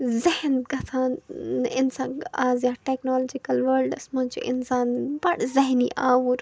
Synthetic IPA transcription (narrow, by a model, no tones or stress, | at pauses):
zɐhnɡɐt̪ʰãːnɪnsaːaːzjaːʈeːknoːlod͡ʒikɐlʋɐɾlɖɐsmɐ̃nt͡ʃʰḭʔɪ̰nsaːnbɐɽzɐɦniʔaːwuɾ